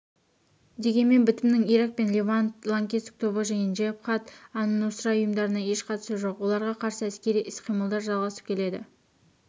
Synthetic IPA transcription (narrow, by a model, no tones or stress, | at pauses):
d̪e̞ɡʲe̞nme̞nbɪt̪ɪmnɪŋijɾɑk̚pe̞nlʲevant̪lˠaŋkʲeɪ̥k̚t̪ʰo̞bəʒejənʒepχɑt̪ɑnnosɾɑʊjəmd̪ɑɾənɑe̞ʃqʰɑt̪suʒo̞qwo̞lˠɑɾʁɑqʰɑɾsəæskʲe̞ɾijʔɪsqʰijməlˠd̪ɑɾʒɑlˠʁɑsə̥p̚kʲʰe̞le̞d̪ɪ̰